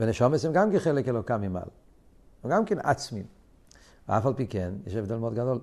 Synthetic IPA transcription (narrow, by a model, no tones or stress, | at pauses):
veneʃomesemɡamkɛnχelekelokamima̰l | eɡamkɛnʔa̰t͡smim | veafalpikɛnjɛ̰ʃevd̪elmeod̪ɡad̪ol